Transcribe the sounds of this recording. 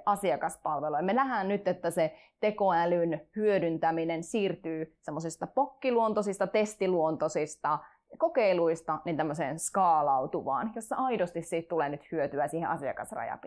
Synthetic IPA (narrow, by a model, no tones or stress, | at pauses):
ʔɑsiɑkɑspɑlʋelojmenæhænnyt̪et̪ːæse | t̪ekoælynhyødynt̪æminensiːrt̪yːsemːosist̪ɑpokːiluont̪osist̪ɑt̪est̪iluont̪osist̪ɑ | kokeiluist̪ɑnint̪æmːøsḛːnskɑːlɑut̪uʋɑ̰ːnjosːɑɑidost̪issiːt̪t̪uleːnyt̪hyøt̪yæsiːhẽʔɑsiɑ̰kɑ̰srɑ̰jɑ̰pi